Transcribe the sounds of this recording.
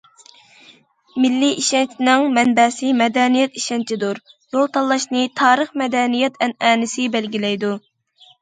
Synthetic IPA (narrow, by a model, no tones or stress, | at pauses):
mɪlːiiʃɛnt͡ʃʰnɨŋmɛnbɛsɪmɛd̪ɛnijɛt̪iʃɛnt͡ʃʰid̪uɾ | jolˠt̪ʰɑlˠːɑʃnɨt̪ʰɑːɾəχmɛd̪ɛnijɛt̪ʰɛnɛːnɪsɪbɛlɡʲilɛjd̪u